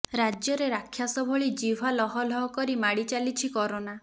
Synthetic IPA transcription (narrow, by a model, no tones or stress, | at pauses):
ɾad͡ʒjɔɾeɾakʰːjasɔbʱɔɭid͡ʒiwʱalɔɦɔlɔɦɔkɔɾimaɽit͡ʃalit͡ʃʰikɔɾona